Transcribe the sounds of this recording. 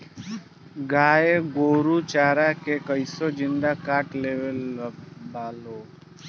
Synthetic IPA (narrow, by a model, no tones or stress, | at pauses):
ɡaːeɡoːɾut͡ʃaːɾakekəɪsod͡ʒɪnd̪akaːʈleʋelbaːloː